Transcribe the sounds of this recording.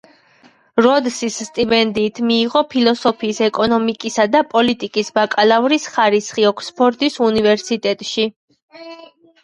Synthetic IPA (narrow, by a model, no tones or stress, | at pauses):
ɾɔd̪sisːt̪ʼibɛnd̪iːt̪ʰmiːʁɔpʰilˠɔsɔpʰiːsɛkʼɔnɔmikʼisad̪apʼɔlit̪ʼikʼisbakʼalˠavɾisχaɾisχiɔkʰspʰɔɾt̪ʼisunivɛɾsit̪ʼɛt̪ʼʃi